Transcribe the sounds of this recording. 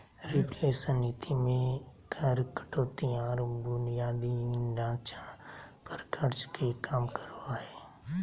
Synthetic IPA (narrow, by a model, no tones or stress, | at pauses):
ɾɪpleːsənit̪ʰimẽkʰəɾkə̥ʈoːt̪iɔːɾbʊnijaːd̪inãːt͡ʃapəɾkʰəɾt͡ʃkʰekaːmkəɾoaɛː